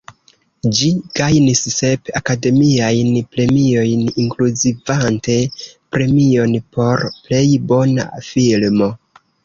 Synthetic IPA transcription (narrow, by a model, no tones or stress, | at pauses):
d͡ʒiɡ̥ajnisse̞pakade̞miajnple̞mio̞jniŋkluzivante̞pɾe̞mio̞npo̞ɾple̞jbo̞na̰filmo̞